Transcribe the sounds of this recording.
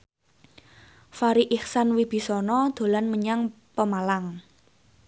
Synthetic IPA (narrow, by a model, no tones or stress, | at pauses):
faɾiʔiχsanwib̥i̤sɔnɔd̪̥o̤lanməɲaŋ | pəmalaŋ